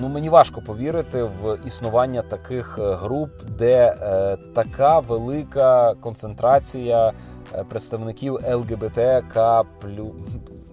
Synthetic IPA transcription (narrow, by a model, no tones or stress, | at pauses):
numenʲiʋɑʃkɔpɔʋʲiɾɪt̪ɪʋisnʊʋɑnʲːɐt̪ɐkɪxɦɾupd̪ɛ | t̪ɐkʰɑʋelˠɪkɐkɔnt̪sent̪ɾɑt͡sʲijɐ | pɾet̪st̪ɐwnɪkʲiwɛlˠɡɛbɛt̪ɛkʰɑplʲu